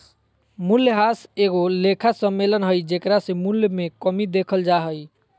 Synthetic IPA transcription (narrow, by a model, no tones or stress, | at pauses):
mulːɦaseɡolekʰasəmːelənɦəjd͡ʒekɾasẽmuljmekəmid̪ekʰəld͡ʒaɦəj